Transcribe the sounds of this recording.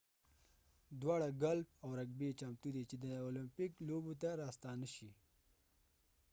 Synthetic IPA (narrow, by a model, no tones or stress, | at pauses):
d̪wɑɽaɡalp̚awɾaɡbet͡ʃamt̪ud̪et͡ʃed̪əolɪmpɪklobot̪̬aɾɑst̪ɑnəʃi